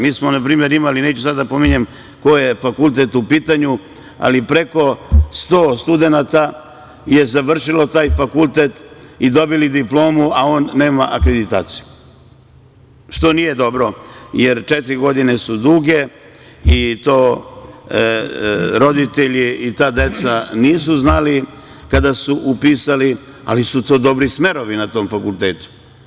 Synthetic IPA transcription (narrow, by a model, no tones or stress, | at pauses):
miːsmonapɾiːme̞ɾimalineːt͡ɕusad̪d̪apo̞miɲem | ko̞jefakulˠt̪et̪upiːt̪aɲu | a̰lipɾe̞ko̞st̪oːst̪ud̪e̞nat̪a | je̞zaʋr̩ʃilo̞t̪aːjfakult̪et̪id̪o̞bilid̪iplˠo̞ːmuaoːnːe̞ːmaʔakɾed̪it̪a̰ːt̪si̥ju | ʃt̪o̞nije̞d̪o̞bɾo̞je̞ɾt͡ʃet̪ɾiɡo̞d̪inesud̪uːɡe̞ | it̪o̞ː | ɾo̞d̪it̪eʎiit̪aːd̪e̞t̪saniːsuznali | kad̪asuʔupiːsali | a̰lisut̪o̞ːd̪o̞bɾisme̞ɾoʋinat̪o̞ːmfakulˠt̪eːt̪u̥